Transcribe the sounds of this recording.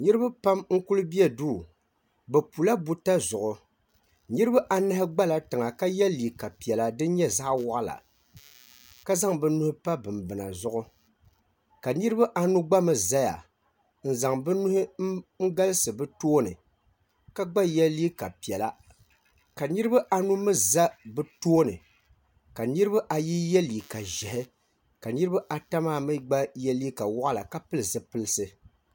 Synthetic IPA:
nɨ˦ɾɨ˦ba˦pa˦mŋ̩˦ku˦lɨ˦bi˦ɛ˦duː˦˨ | bɛ˨pu˨la˦bu˦ta˦zʊ˨ʔʊ˨ | nɨ˦ɾɨ˦ba˦ʔa˨na˦hɪ˦ɡ͡ba˦la˨tɨ˨ŋa˨ka˦jɛ˦lːi˨ka˨pi˨ɛ˨la˨dɨ˦ɲɛ˦za˦ʔwa˦ʔla̰˨ | ka˦za˦ŋbɨ˦nu˦hʊ˦pa˦bɨ˨mbɨ˨na̰˨zʊ˦ʔʊ˦ | ka˨nɨ˦ɾɨ˦ba˦ʔa˦nu˦ɡ͡ba˦mɨ˨za˦ja̰˨ | n̩˨za˨ŋbɨ˦nʊ˦hɪ˦ŋ̩˦ɡa˦lɨ˦sɨ˨bɨ˦toː˦nɨ˨ | ka˦ɡ͡ba˦jɛ˦li˦ka˨pi˨ɛ˨la˦ | ka˨nɨ˦ɾɨ˦ba˦ʔa˨nu˦mɨ˦za˦bɨ˦toː˦nɨ̰˨ | ka˨nɨ˦ɾɨ˦ba˦ʔa˨ji˦jɛ˦li˨ka˨ʒɛ˨hɪ˦ | ka˨nɨ˦ɾɨ˦ba˦ʔa˨ta˦maː˦˨mɨ˦ɡ͡ba˦jɛ˦li˦ka˨wɔ˦ʔa˦la̰˨ka˦pɨ˦lɨ˨sɨ˦pɨ˦lɨ˦sɨ˦

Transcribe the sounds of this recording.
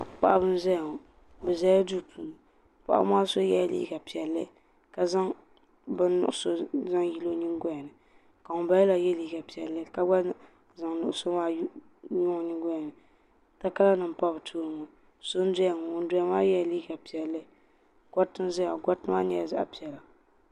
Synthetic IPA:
k͡pa̰˨ʔa˦bɨ˦n˦zɛ˦ja˨ŋɔ˨ | bɨ˨za˦ja˦du˦˨tʰu˨lɨ˨ | pa̰˨ʔa̰˦maː˦so˦jɛ̰˦˨lḭ˦˨ɡa˨pi˨ɛ˨lːɨ˦ | ka˨za˦ŋ | bɨ˦n˦nʊ̰˨ʔʊ˨so˦za˦ŋji˦lo˦ɲi˦ŋ˦ɡɔ˦ja˨nɨ˨ | ka˨ŋʊ˨ba˦ɛ˦la˨jɛ˦li˦ɡa˨pi˨ɛ˨lːɨ˦ka˦ɡ͡ba˦ | za˨ŋnʊ̰˨ʔʊ˨˦so˦maː˦ | jʊ˦ŋɔ˨ɲi˦ŋɡʷɔ˦ja˨nɨ˨ | ta˦ka˦la˦nɨ˨m̩˨pa˦bɨ˨tʰuː˦ɾɨ˨ŋɔ˨ | so˦n˦dɛ˦ja˨ŋɔ˨ʊ˨n˦dʊ˦a˦maː˦jɛ˦˨liː˦ɡa˨pi˨ɛ˨lːɨ˦ | ɡ̥a˦tɨ˦n˦za˦a˨ɡa˦tɨ˦a˦ɲɛ˨za̰˦ʔa̰˨pi˨ɛ˨la˨

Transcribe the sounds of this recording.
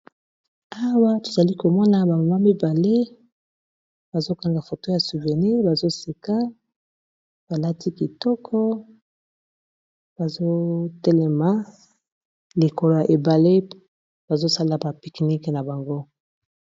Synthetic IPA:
a˦wa˦to˨za˨li˦ko˨mɔ˦na˨ba˨ma˨ma˦mi˦ba˨le˦ | b̥a˨zo˦ka˦ŋɡa˨fo˨to˦ja˨su˨vɛ˨ʁni˦ʁba˨zo˦se˨ka˦ | b̥a˨la˦tʰi˦ki˨tɔ˦kʰɔ˦ | b̥a˨zo˦tɛ˦lɛ˨ma˨ | li˨ko˨lo˨ja˨ʔe˨ba˨le˦ | b̥a˨zo˦sa˦la˨ba˨pi˨kni˦kna˨ba˨ŋɡo˦

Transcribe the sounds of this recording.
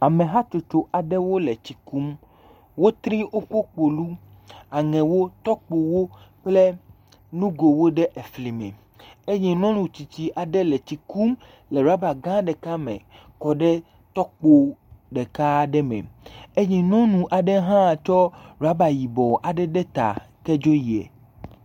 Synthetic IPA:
a˨mẽ˨ɦa˦t͡ʃo˨t͡ʃo˦ʔa˨ɖɛ˦wo˦lɛ˨t͡ɕi˨ku˦m | wo˦t̪ɾĩ˦ʔo˦ko˦k͡po˨lu˦ | a˨ŋɛ̃˨wo˦t̪ɔ˦k͡po˨wo˦k͡ple˦ | nũ˦ɡo˨wo˦ɖɛ˦ʔe˨fli˨mɛ̰̃˨ | e˦ɲi˨nɔ̃˦nũ˨t͡ɕi˨t͡ɕi˨ʔa˨ɖɛ˦lɛ˨t͡ɕi˨ku˦m | le˨ɾu˨a˦ba˨ɡã˦ɖɛ˨ka˦mḛ̃˨ | kɔ˨ɖɛ˦ | t̪ɔ˦k͡po˨ɖɛ˨ka˦ɖɛ˦mɛ̰˨e˦ɲĩ˨nɔ̃˦nũ˨ʔa˨ɖɛ˦ɦã˦˨t͡ʃɔ˦ɾu˨a˦ba˨ji˨bɔ˨ʔa˨ɖɛ˦ɖɛ˦t̪a̰˨kɛ˦d͡ʒo˦ji˨ɛ̰˨

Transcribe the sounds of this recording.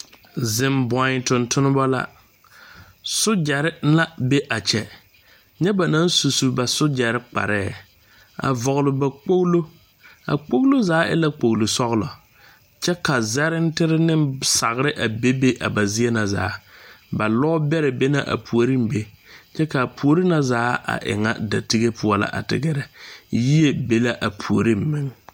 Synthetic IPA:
zɪ˨mbɔ˨˦˨tʊ˨ntʰʊ˦nɪ˦bɔ˦la̰˦ | sʊ˦d͡ʒɛ˨ɾɪ˦la˦be˦ʔa˨t͡ʃɛ˨ | ɲɛ˦ba˨na˦nsu˨su˨ba˨sʊ˦d͡ʒɛ˨ɾɪ˦k͡pa̰˨ɾɛː˦˨ | a̰˨vɔ˨ɣlʊ˨ba˨k͡po˦ɣlo˦ | a̰˨k͡po˦klo˦zaː˨˦ʔɛ̰˦la˦k͡po˨ɣlo˨sɔ˦ɣlɔ̰˨ | t͡ʃɛ˦ka˨zɛ˦ɾɪ˦n˦tɪ˦ɾɪ˦nɪ˦msa˨ɣɾɪ˦ʔa˨be˦be˦ʔa˨ba˨zɪ˦ɛ˦na˨za̰ː˨˦ba˨lɔ˦bɛ˦ɾɛ˨be˦na̰˦ʔa̰˨pʰu˨o˨ɾi˦m˦be˦ | t͡ʃɛ˦ka˨pʰu˨o˨ɾi˦na˨zaː˨˦ʔa̰˨ʔɪ̰˨ŋa̰˦da̰˨ti˦ɡe˦pʰʊ˦ɔ˦˨la̰˦ʔa̰˨tɪ̰˨ɡɛ˨ɾɛ˨ji˦e˦be˦la˦ʔa˨pʰu˨o˨ɾi˦m̩˦mɪ˦ŋ

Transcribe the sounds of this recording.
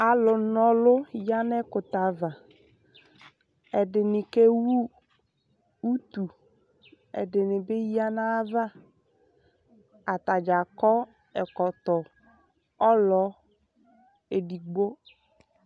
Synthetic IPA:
a˨lʊ˨nɔ˨lʊ˦ja˦nɛ˦kʊ˨t̪a˨va˨ | ɛ˨ɖɪ˨nɪ˨ke˦wu˦ | u˦t̪u˨ | ɛ̰˨ɖɪ˨nɪ˨bɪ˦ja˦na˦va˦˨ | a˨t̪a˨d͡ʒa˨kɔ˦ | ɛ˨kɔ˨t̪ɔ˨ | ɔ˦lɔ˨˦ | e˨ɖi˨ɡ͡bo˦

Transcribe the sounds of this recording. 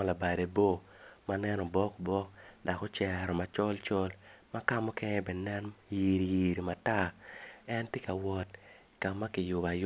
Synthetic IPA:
la˨ba˨de˨bo˦ | ma˦nɛ˦nɔ˨bɔ˦kbɔ˦k̚da˨kɔ˦t͡ʃɛ˨ɾɔ˨ma˨t͡ʃɔ˦lt͡ʃɔ˦lma˦ka˦mɔ˦kɛ˦ŋɛ˦bɛ˨nɛ˦nji˨ɾi˨ji˨ɾi˨ma˨ta˦ɛ˦nte˦ka˨wɔ˦t | ka˨mːa˦kɪ˨jʊ˨ba˨j

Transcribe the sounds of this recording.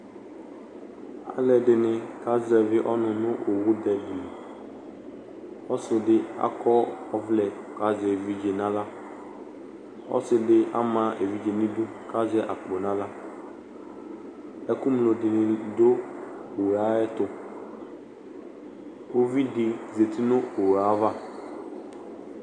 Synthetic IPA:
a̰˨lɛ˨dɪ˨nɪ̃˨ka˦zɛ˨vɪ˦ʔɔ˦nʊ̃˨nʊ̃˦ʔo˨wʊ˦d̪ɛ˨dɪ˨ | ɔ˦sɪ˨dɪ˦a̰˦kɔ˦ɔ˦vlɛ˨ka˨zɛ˨vi˦d͡ʒe˨nã˦la˦ | ɔ̰˦sɪ˨dɪ˦a̰˦mã˨ʔe˨vi˦d͡ʒe˨nĩ˦dʊ˦ | ka˦zɛ˦ʔa˨k͡po˨nã˦la˦ | ɛ˦ku˦mlo˨dɪ˨nɪ̃˨do˦o˨ɣa˨˦ɛ˦t̪ʊ˦ | o˦vi˦dɪ˨ze˨t̪i˦nʊ̃˦o˨ɣa˨˦va˦

